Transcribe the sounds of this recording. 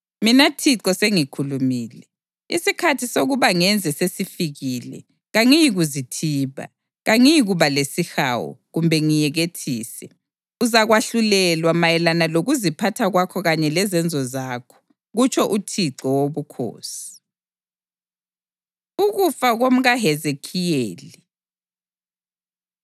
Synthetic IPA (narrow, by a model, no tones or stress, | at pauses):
minatʰiǀɔseŋikʰulumiːlɛ | ḭsikʰatʰisoɣuβaŋɛnd͡zʱɛsesifiɣiːlɛ̰ | ɣaŋijiɣuzitʰiːβa̰ | ɣaŋijiɣuβalesixa̰wɔ̰ɣumbʱɛŋijɛɣetʰḭːsɛ | uzaɣwaɬulɛlwamajɛlanaloɣuzipʰatʰaɣwakʰɔɣaɲɛlɛzɛnd͡zʱɔzakʰɔ̥ | ɣut͡ʃʰɔʔutʰiǀɔwoβukʰo̰ːsi̥ | uɣufaɣom̩ɣaɦɛzekʰijeːli